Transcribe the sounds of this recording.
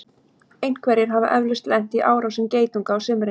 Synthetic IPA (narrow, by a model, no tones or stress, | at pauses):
ejn̥kʰvɛɾjɪɾ̥ɦava̰ʔœvlʏst̪lɛn̥t̪iʔaːwɾawsʏmceːjt̪uŋkaːwsʏmɾe